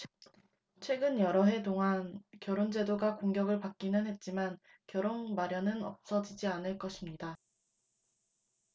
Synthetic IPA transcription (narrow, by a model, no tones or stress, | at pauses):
t͡ɕʰwe̞ɡɯnjʌɾʌɦe̞toŋɦankjʌɾond͡ʑe̞doɡakoŋɡjʌɡɯɭpak̚k͈inɯnɦe̞t̚t͡ɕ͈iman | kjʌɾonmaɾjʌnɯnʌ̰p̚s͈ʌd͡ʑid͡ʑianɯɭk͈ʌɕʰimɲida